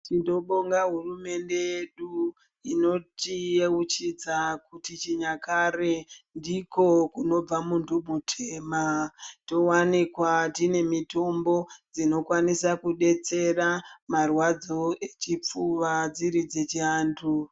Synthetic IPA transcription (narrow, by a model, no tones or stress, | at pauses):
tindo̞ɓoŋɡaɦurume̞nde̞jeɗu | ino̞tieut͡ʃid͡zakutit͡ʃiɲakare̞ndiko̞kuno̞b͡vamundʱuɓʱutʰeːmato̞wanikwatine̞mito̞mbo̞d͡zino̞kwanisakuɗe̞t͡se̞ramarwad͡zo̞e̞t͡ʃip͡fuʋad͡ziɾid͡zet͡ʃiaːntʰu